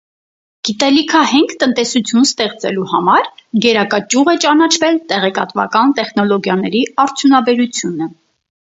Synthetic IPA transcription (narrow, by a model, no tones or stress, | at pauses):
ɡ̥it̪ɛlikʰəhɛŋkʰt̪ənt̪ɛsut͡sʰjunst̪ɛχt͡sɛ̰luhɑmɑɾɡɛɾɑkɑt͡ʃuʁɛt͡ʃɑnɑt͡ʃʰvɛlt̪ɛʁɛkɑt̪vɑ̰kɑnt̪ɛχnɔlɔɡjɑnɛɾiɑɾt͡sʰjunɑbɛɾut͡sʰjunə